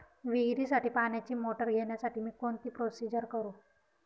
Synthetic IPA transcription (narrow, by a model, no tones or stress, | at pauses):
ʋiɡɾiːsaʈiːpaɳjat͡ɕiːmoʈəɾɡʱeɳjasaʈiːmiːkoɳt̪iːpɾosid͡ʑəɾkəɾuː